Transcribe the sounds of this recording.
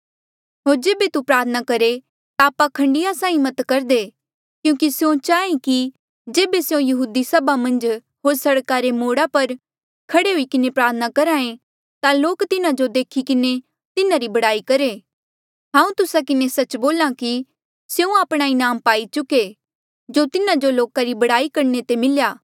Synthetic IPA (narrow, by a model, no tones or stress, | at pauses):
ɦoːɾd͡ʒeːbet̪upɾaːt̪ʰənakɐɾe | t̪aːpakʰɐ̃ɳɖɪjasãːĩmɐt̪kɐɾd̪e | kjũːkisjõt͡ʃaːẽki | d͡ʒeːbeseõjɐɦuːd̪isɐbamɐ̃nd͡ʒ | ɦoːɾsɐɽkaːɾemoːɽapɐɾ | kʰɐɽeɦuikɪnepɾaːt̪ʰənakɐɾãːẽ | t̪aloːkt̪ɪnãd͡ʒod̪eːkʰikɪne | t̪ɪnãɾibɐɽaːikɐɾeː | ɦãːũt̪ʊsakɪnesɐt͡ʃboːlãki | sjeũaːpɽ̃aːinaːmpaːit͡ʃʊke | d͡ʒot̪ɪnãd͡ʒoloːkaɾibɐɽaːikɐɾnet̪emɪljaː